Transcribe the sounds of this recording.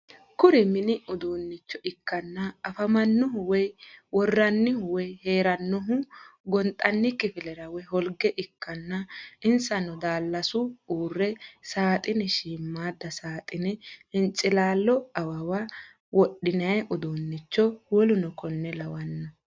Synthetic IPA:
kʊɾɪmɪnɪʊd̪oːnːɪt͡ʃːɔʔɪkːɐnːɐɐfɐmɐnːʊɦʊwɔjwɔrːɐnːɪhʊwɛjheːɾɐnːɔɦʊɡɔnt̪ʼɐnːɪkːɪfɪlɛɾɐwɔjhɔlɡɛʔɪkːɐnːɐɪnsɐnɔd̪aːlːɐsʊuːrːɛsaːt̪ʼɪnɛʃiːmːaːd̪ːɐsaːt̪ʼɪnɛhɪnt͡ʃʼːɪlaːlːɔɐwɐwa | wɔɗɪnɐjɐʔɔd̪oːnːɪt͡ʃːɔwɔlʊnɔkɔnːɛlɐwɐnːɔ

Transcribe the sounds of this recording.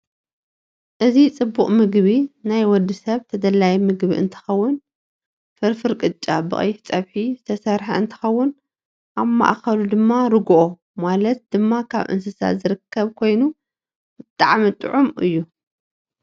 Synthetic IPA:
ʔɨzit͡sʼɨbːuχʼmɨɡβinajwɔd̪ːisɐβt̪ʰɐd̪ɐlajmɨɡβḭʔɨ̰nt̪ʰɨ̥xɐwːʊn | fɨɾfɨɾkʼɨt͡ʃʼːabɨ̰χʼɐ̰jft͡sʼɐβħizɨt̪ʰɐsɐɾħaɨnt̪ʰɨ̥xɐwːʊn | ʔaβma̰ʔxɐlud̪ɨmːaɾɨɡʔo | malɐt̪̚d̪̥ɨmːakʰa̰βʔɨ̰ns̬ɨsa̰zɨɾɨkʰːɐβkʰo̞jnu | ɨt̪ʼaʕmit̪ʼɨ̰ʕumʔɨ̰jːu

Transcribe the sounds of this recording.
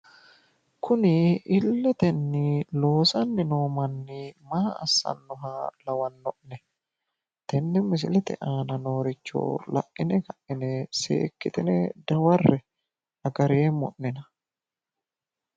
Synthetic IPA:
kʊnɪɪlːɛt̪ɛnːɪlo̞ːsɐnːɪnoːmɐnːɪmaɐ̰ːsːɐ̰nːɔɦalɐwɐnːɔʔnɛ | t̪ɛnːɛmɪs̬ɪlɛt̪ɛ̰ʔaːnɐno̞ːɾɪt͡ʃːɔ̰ːlɐ̰ʔʔɪnɛkɐʔɪnɛsḛːkːɪt̪ɪnɛd̪ɐwɐrːɛ | ɐɡɐɾeːmɔ̰ʔnɛnɐ

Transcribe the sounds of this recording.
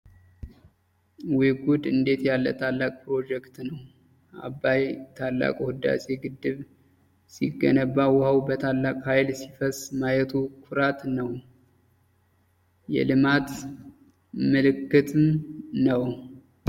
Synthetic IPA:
wiɡud̪ɨnd̪e̞t̪jalːə̰t̪ʰalːakʼpɾo̞d͡ʒɛkt̪nəw | ʔa̰bːajt̪ʰalːa̰kʼohɨd̪ːa̰se̞ɡɨd̪ːɨβ | siɡːənəβːawʊhawbət̪ʰalːakʼhajlsifəsmajɛt̪ʰukʰuɾat̪nəw | jɛ̰lɨmat̪ | mɨlɨkːɨt̪ʰɨmnəw

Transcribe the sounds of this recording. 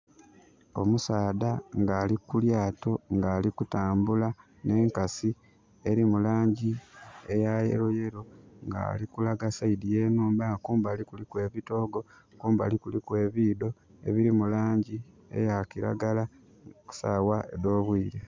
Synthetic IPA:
o̞̰musaːdaŋɡaːlikuljaːto̞ŋɡaːlikutaːmbula | ne̞ːŋkasi | e̞ɾimulaːɲɟie̞jajḛɾoje̞ɾo̞ŋɡa̰ːlikulaɡasaidijeːnuːmbakuːmbaːlikulikwe̞ːβito̞ːɡo̞ | kuːmbaːlikulikwe̞ːβiːdo̞ | e̞̰βiɾimulaːɲɟi | e̞̰jakiɾa̰ɡala | ku̥sa̰waḛdo̞ːβwiːɾe

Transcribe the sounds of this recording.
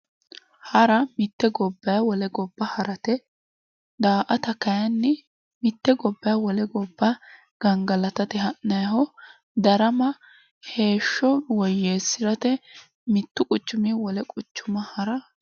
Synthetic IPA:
hɐɾɐmɪt̪ːɛɡɔbːɐjawɔlɛɡɔbːɐhɐɾɐt̪ɛ | d̪aːʔɐt̪ɐkɐjɐnːɛ | mɪt̪ːɛɡɔbːɐjɐwɔlɛɡɔbːɐ | ɡ̥ɐŋɡɐlɐt̪ɐt̪ɪhɐʔnɐjhɔ | d̪ɐɾɐmɐ | he̞ːʃːɔwɔjːeːsːɪɾɐt̪ɛ | mɪt̪ːʊkʼʊt͡ʃːʊmiːwɔlɛkʼʊt͡ʃːʊmɐhɐɾɐ

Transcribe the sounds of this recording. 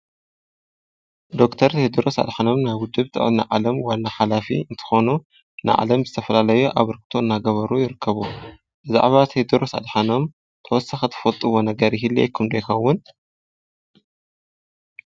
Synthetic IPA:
d̪o̞kt̪ʰɐɾt̪ʰed̪ɨɾo̞sa̰d̪ħano̞mnaβwʊd̪ːɨβt̪ʰɨ̰ʔʼlna̰ʕa̰lɐmwalnaħalafḭɨnt̪ʰɨ̥xo̞nu | nɨ̰ʕa̰lɐmzɨt̪ʰɐfɐlalɐjuʔaβɨɾɨk̚t̪ʰo̞ɨnːaɡɐβɐɾujɪɾɨkʰːɐβu | b̥ɨza̰ʕβat̪ʰed̪ɨɾo̞sa̰d̪ħano̞m | t̪ʰɐwɔsaxɨt̪ʰɨ̥fɐlt̪ʼɨβo̞nɐɡɐɾjɪɦilːḭkʰɨmd̪ɐjxɐwːʊn

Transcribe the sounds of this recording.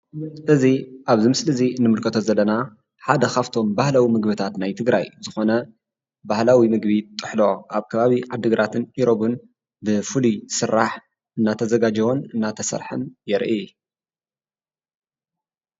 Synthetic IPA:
mɨslɨziʔaβzimɨslɨziɨnːɨmɨlkʰɐt̪ʰo̞zɐlːɐna | ħad̪ɐxaft̪ʰo̞mbahlawimɨɡbɨt̪ʰat̪najt̪ʰɨɡɾa̰jzɨxo̞nɐ | bahlawimɨɡβit̪ʼːɨ̥ħlo̞ʔaβkʰɐβaβiʕad̪ɨɡɾʔat̪ʰɨnʔiɾo̞βɨn | bɨfɨlisɨrːaħ | ʔɨnːat̪ʰɐzɐɡad͡ʒɐwonɨnːat̪ʰɐsɐ̰ɾħɨ̰njɛɾʔi

